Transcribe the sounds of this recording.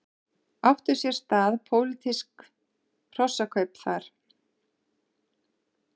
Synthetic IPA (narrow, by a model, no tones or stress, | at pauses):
aft̪ʏɾ̥sjɛɾ̥st̪aːðpʰoːwlɪt̪ʰiskʰ | r̥ɔsːakʰœɥpθaɾ̥